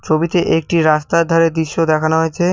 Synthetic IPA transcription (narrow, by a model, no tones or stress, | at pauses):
t͡ɕʰobit̪eʔek̚ʈiɾast̪ad̪ʱaɾed̪iʃːod̪ɛkʰanoɦoet͡ɕʰe